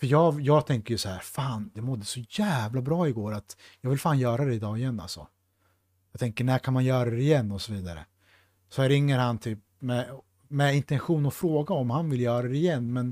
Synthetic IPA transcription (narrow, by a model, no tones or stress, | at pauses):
fəjɑːjɑːɡt̪ʰɛŋkəɾjɵsahæːɾfaːnd̪ɛmɔd̪ːəsɔjæːvlabɾɑːɪɡoːɾat̪jɑːɡvɪlfaːnjœːɾad̪ɛɪd̪ɑːɡɪjɛnːa̰lsɔ̰ | jɑɡt̪ʰɛŋkəɳækʰanmanjœːɾad̪ɛɪjɛnːɔsɔviːd̪aɾə̰ | sɔæɾɪŋːəɾhant̪ʰyːp̚ | mɛ | mɛɪnt̪ɛnɧuːnɔfɾoːɡaɔmhanvɪljœːɾad̪ɛɪjɛnːmɛn